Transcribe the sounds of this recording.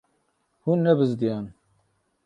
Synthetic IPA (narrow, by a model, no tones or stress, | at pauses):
hunːɛbɨzd̪ijaːn